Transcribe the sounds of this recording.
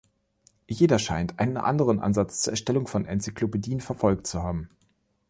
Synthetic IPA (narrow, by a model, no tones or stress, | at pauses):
jeːdɐʃaɪntʔa̰ɪnənʔa̰ndəʁənʔa̰nzat͡st͡suːɐɛɐʃtɛlʊŋfɔnʔɛnt͡sikl̥opediːənfɛɐfɔlk̚t͡suhaːbm̩